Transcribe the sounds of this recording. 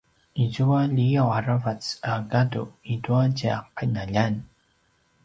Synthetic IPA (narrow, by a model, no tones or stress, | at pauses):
izuwaʎijawaɾavat͡saɡaduiduaɟea̰qːanaʎan